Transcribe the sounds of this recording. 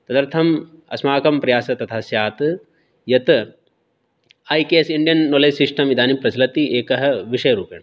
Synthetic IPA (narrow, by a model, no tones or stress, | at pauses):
t̪ɐd̪ɐɾt̪ʰɐmɐ̰smaːkɐmpɾɐjaːsɐt̪ɐt̪ʰaːsjaːt̪ | jɐt̪ | aːjkeːɐsiɳɖijɐnːoːleːsisʂʈɐmid̪aːnipɾɐsɐlɐt̪iʔeːkɐɦɐ̆ʋiʂɐjɐɾuːpjɐ̰ɳ